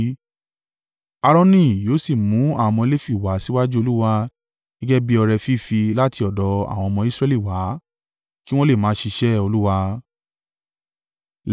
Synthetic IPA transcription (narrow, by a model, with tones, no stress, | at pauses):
a˧ɾɔ̃˧nĩ˦˨joː˨˦si˦˨mũ˨˦a̰˦˨ɔ˧mɔ̃˧e˧le˦fi˦˨wa˨˦si˦wa˦d͡ʒu˦o˧lu˦wa˧ | ɡ̥i˦ɡɛ˦bi˦ɔ˧ɾɛ˧fi˦˨fi˧la˦ti˧ɔ˨dɔ˨˦a̰˨w̃ɔ̃˧ɔ˧mɔ̃˧i˦sɾɛ˧li˦˨wa˨˦ | ki˦w̃ɔ̃˦le˦˨mãː˨˦ʃi˧ʃɛ˦o˧lu˦wa˧